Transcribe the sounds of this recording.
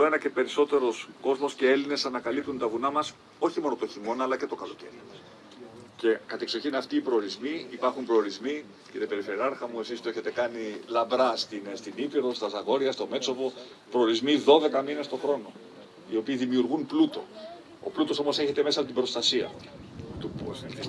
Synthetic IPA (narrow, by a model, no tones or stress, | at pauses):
oe̞nɐce̞pe̞ɾiso̞t̪e̞ɾo̞sko̞zmo̞sce̞e̞line̞sɐnɐkɐlip̚t̪unt̪ɐvunɐmɐs | o̞çimo̞not̪oçimo̞nɐlɐce̞t̪o̞kɐlo̞ce̞ɾi | ce̞kɐt̪ekso̞çinɐft̪iːpɾo̞ːɾizmiipɐɾxumpɾo̞oɾizmi | ciɾepe̞ɾifeɾiɐɾxɐmue̞sist̪oe̞çe̞t̪e̞kɐnilɐbɾɐst̪inst̪inipiɾðost̪ɐzɐɣo̞ɾiɐst̪o̞me̞t͡so̞vo̞ | pɾo̞ːɾizmiðo̞ðe̞kɐmine̞st̪o̞xɾo̞no̞ | io̞piːðimiuɾɣunplut̪o̞̰ | o̰plut̪o̞so̞mo̞se̞çe̞t̪e̞me̞sɐpot̪ibɾo̞st̪ɐsiɐ̰ | t̪up